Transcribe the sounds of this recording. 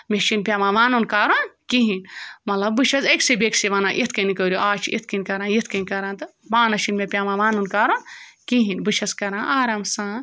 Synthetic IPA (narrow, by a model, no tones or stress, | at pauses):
meʃinpʲjaːʋãːʋaːnunkaːɾonkiɦinmɐt̪lɐbbɨʃʰɐzeksibeksiʋaːnãːʔit̪ʰkɐnikəːɾʲoʔaːt͡ʃʰḭt̪̚ʰkɐnʲkɐɾãːjit̪̚ʰkɐnikɐɾãːnt̪ɨbaːnɐʃinmepʲjaːʋãːʋaːnunkaːɾonkiɦinbɨʃʰɐskɐɾãːʔaːɾaːmsãː